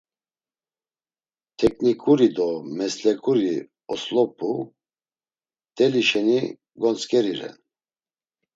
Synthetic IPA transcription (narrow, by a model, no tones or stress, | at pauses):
t̪ʰɛkʰnikʼuɾid̪ɔmɛslɛkʼuɾi | ɔslɔpʰʼu | t̪ʼɛliʃɛni | ɡɔnt͡skʼɛɾiɾɛ̰n